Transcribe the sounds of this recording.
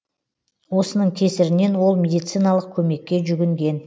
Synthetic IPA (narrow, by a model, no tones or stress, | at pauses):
wo̞sənəɴkʲʰe̞sɪɾɪne̞nwo̞lˠmʲe̞d̪ijt̪sijnalˠəq̚kʲʰɵme̞kʲːe̞ʒʏɡʲɪŋɡʲe̞n